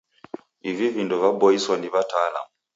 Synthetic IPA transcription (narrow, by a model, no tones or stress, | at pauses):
ivivindɔvabɔiswɔniβataːla̰mu